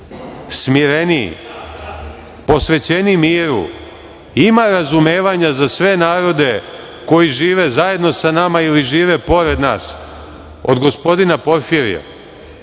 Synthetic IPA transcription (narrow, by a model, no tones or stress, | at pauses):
smiɾenḭ | po̞sʋe̞t͡ɕe̞nimiːɾṵ | imaɾazumeːʋaɲazasʋe̞naːɾo̞d̪e̞ | ko̞jiʒiːʋe̞zaje̞d̪no̞sanamailiʒiːʋe̞po̞ɾe̞d̪na̰ːs | o̞̰d̪ɡo̞spo̞d̪inapo̞ɾfiɾḭja̰